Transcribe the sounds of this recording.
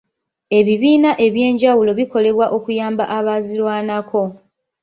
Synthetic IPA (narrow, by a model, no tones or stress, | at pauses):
e̞βiβiːnaʔe̞βje̞ːɲɟawulo̞βiko̞le̞βwaʔo̞kujaːmbaʔaβazilwaːnako̞